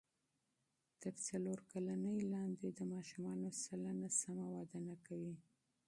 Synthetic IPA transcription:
t̪əɾt͡saloɾkalanəjlɑnd̪ed̪əmɑʃumɑnosalanasamawɑd̪ənakawi

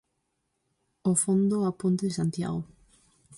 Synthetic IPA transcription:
ofõnd̪oapunt̪eðesant̪ja̰ɣo

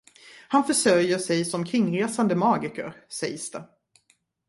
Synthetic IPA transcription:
hanfœʂœɾjəʂɛjsɔmkʰɾɪŋːɾeːsand̪əmɑːɡɪkə̰ɾsɛjsd̪̥ɛ

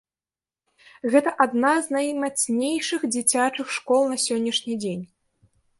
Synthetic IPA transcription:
ɣɛt̪ɐʔad̪naznajmat̪snʲejʂɨxd͡zʲit͡sʲat͡ʂɨxʂkɔlˠnɐsʲɔnʲːɐʂnʲid͡zʲenʲ

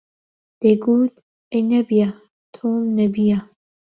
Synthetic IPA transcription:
d̪̥eɡuːt̪̚ | enɐbija | t̪ʰoːmnɐbija

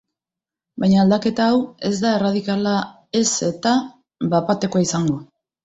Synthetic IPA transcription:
bajɲaːld̪ake̞t̪aːwe̞zd̪ae̞raðikala | e̞se̞t̪a | βapat̪e̞koaisaŋɡo̞

